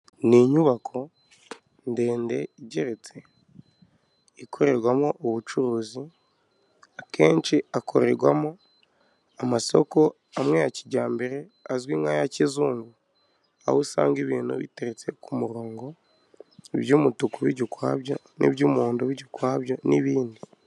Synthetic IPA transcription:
niɲuβakʰo̞ | nde̞ːnde̞iɟeɾet͡se̞ | ikʰo̞ɾe̞ɾɡwamoʔːβut͡ʃuɾuːzi | akʰe̞ːnt͡ʃiakʰo̞ɾe̞ɾɡwamo | amaso̰ko̞ | amwe̞jaciɟaːmbeɾeazwiːŋaːjacizuːŋɡu | a̰hosa̰ːŋɡiβiːnhṵβḭteɾet͡se̞kumuɾoːŋɡo̞ | βjuːmutukuβiɟukwaːβjo̞ | nḭβɟuːmuːndoβiɟukwaːβjo̞niβiːndi

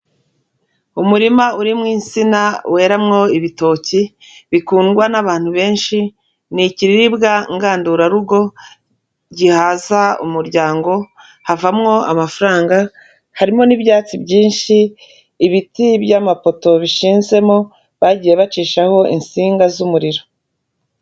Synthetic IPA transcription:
umuɾimauɾimŋiːnsinawe̞ːɾamŋo̞iβito̞ːci | βikuːnɡwanaβaːn̥huβe̞ːnʃi | niciɾiɾibɡaŋɡaːnduɾaɾuɡo̞ | ɟihaːzaṵmuɾɟaːŋɡo̞ | havamŋo̞a̰mafuɾaːŋɡa | haɾimo̞niβjaːt͡sibɟiːnʃiː | βitibjamapo̞to̞βiʃiːnze̞mo | βaɟiːje̞βat͡ʃiːʃaho̞ḭnsiːŋɡazumuɾiɾo̞

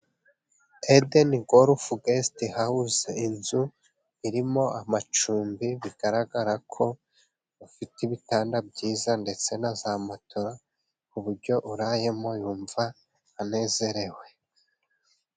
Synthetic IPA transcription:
edeniɡoɾufuɡestihahuze̞inzu | iɾimo̞amat͡ʃuːmbiβiɡ̥aɾaɡaɾakʰo̞ | βafitiβitaːndabɟiːzande̞t͡se̞nazamatʰo̞ɾa | kuβuɾɟo̞ʔuɾaje̞mo̞juːɱva | ane̞ːze̞ɾe̞we̞

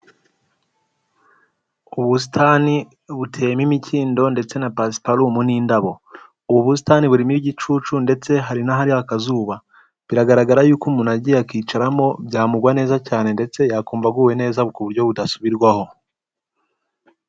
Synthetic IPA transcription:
uβus̬itʰaːni | βutʰe̞ːmimiciːndo̞nde̞t͡se̞napasi̥palumuniːndaβo̞ | uβuβus̬i̥taniβuɾimiɟit͡ʃuːt͡ʃunde̞t͡se̞ɦaɾinaɦaɾiakazuːβa | βiɾaɡaɾaɡaɾajuːkumunaɟijakiːt͡ʃaɾamo̞bɟaːmuɡwane̞ːzacaːne̞nde̞t͡se̞jakuːmvaɡuwe̞ne̞ːzaβukuβuɾɟo̞βudasuβiɾɡwaho̞

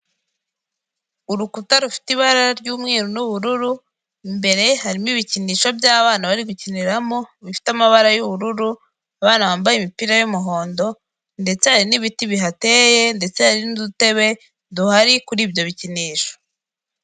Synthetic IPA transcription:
uɾukutaɾufi̥tiβaɾaɾɟuːmŋiːɾunuβuɾuɾu | mbe̞ɾe̞haɾimiβiciniːʃobɟaːβaːnaβaɾiɡuciniɾamo̞βifi̥tamaβaɾajuβuɾuɾu | aβaːnaβaːmbajemipiɾajomuɦo̞ːndo̞ | nde̞t͡sehaɾiniβitiβiɦate̞ːje̞nde̞t͡sehaɾinudute̞βe̞ | duhaɾikuɾiːbjo̞βiciniːʃo̥

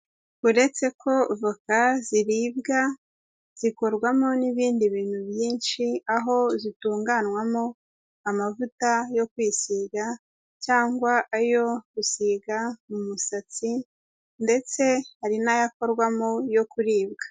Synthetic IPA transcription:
uɾe̞t͡se̞kʰo̞vukaziɾiːbɡa | z̥iko̞ɾɡwamo̞niβiːndiβiːn̥huβjiːnʃiaɦo̞zituːŋɡanwamo | amavutajo̞kwiːsiɡa | caːŋɡwaʔajo̞ɡ̥usiɡamumusat͡si | nde̞t͡se̞haɾinajako̞ɾɡwamojo̞kuɾiːbɡḁ

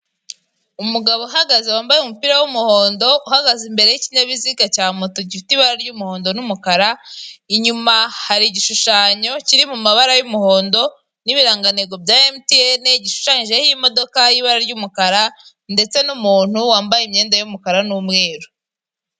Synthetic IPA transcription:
umuɡaβo̞ɦaɡazewaːmbajeumupiɾawumuho̞ːndo̞uhaɡazimbe̞ɾe̞jiciɲaβiziɡacaːmotoɟifitiβaɾaɾɟumuho̞ːndo̞numukaɾaiɲumahaɾiɟiʃuʃaːɲo̞ciɾimumaβaɾajumuho̞ːndo̞ | niβiɾaːŋɡaneɡo̞bɟaːemtieneɟiʃu̥ʃaɲiʒehiimo̞do̞kajiβaɾaɾɟumukaɾa | nde̞t͡se̞numuːn̥uwaːmbajimɲe̞ːndajumukaɾanuːmŋe̞ːɾo

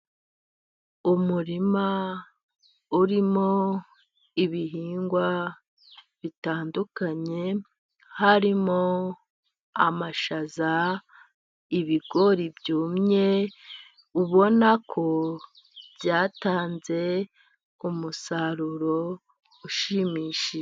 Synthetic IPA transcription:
umuɾima | uɾimo̞ | iβiɦiːŋɡwa | βitaːndukaɲe̞ | haɾimo | amaʃaza | iβiɡo̞ɾibjuːmɲe̞ | uβo̞nakʰo̞ | bjaːtaːnze̞ | umusaɾuɾo̞ | uʃimiːʃi

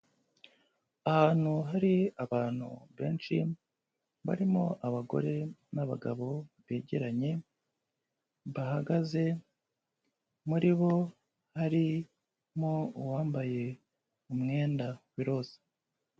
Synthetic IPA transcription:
ahaːn̥huɦaɾiaβaːn̥hṵβḛːnt͡ʃi | βa̰ɾimoʔaβaɡo̞̰ɾe̞naβa̰ɡaβo̞βeːɟeɾaɲe̞ | βahaɡaze̞ | muɾiβo̞ | haɾi | mouwaːmbaje̞ | umŋe̞ːndawiɾo̞ːze̥

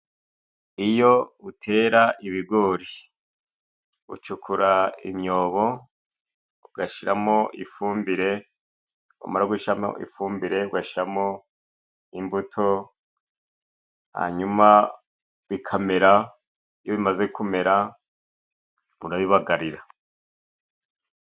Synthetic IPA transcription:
ijo̞utʰe̞ːɾaʔiβiɡo̞ɾi | ṵt͡ʃukʰuɾaḭmɲo̞ːβo̞ | uɡaʃiɾamo̞ʔifuːmbiɾe̞ | wa̰maɾauɡuʃiɾamo̰ʔḭfuːmbiɾe̞uɡaʃiɾamo | imbutʰo̞ | ha̰ɲuma | βikʰame̞ɾa | joβimaze̞kume̞ɾa | muɾaβiβaɡaɾiɾa

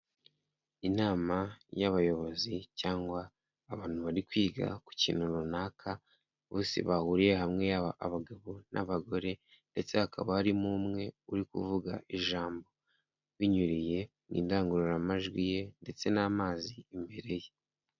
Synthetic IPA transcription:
inaːmajaβajo̞βo̞zicaːŋɡwaː | βaːn̥huβaɾikwiːɡa̰ku̥cḭːn̥huɾunaːkʰa | βoːsḭβahuːɾije̞ɦamŋe̞aaaβaɡaβo̞nʔaβaɡo̞ɾe̞ | nde̞t͡se̞hakʰa̰βaaɾimumŋe̞uɾikṵvuɡa̰ʔiʒaːmbo̞ | βiɲuɾije | nʔḭːndaːŋɡuɾuɾamaʒɡwije̞nde̞t͡se̞naːmaːziimbe̞ɾe̞je

